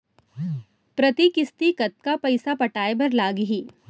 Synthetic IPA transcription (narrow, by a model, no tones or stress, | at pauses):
pɾɐt̪ikɪst̪ikɐt̪̚kapɐɪsapɐʈaːebɐɾlaːɡɦiː